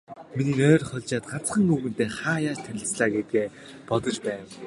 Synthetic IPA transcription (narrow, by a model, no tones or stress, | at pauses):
miniːŋœːrχɔɮʲt͡ɕaːt̪ɢat͡sχə̆ŋuɣɘ̆n̥t̪eːχaːjaːt͡ɕt̪ʰæɮʲɪ̆sɮaːɡet̪̚ɡeː | pɔt̪ɞ̆t͡ɕpæːn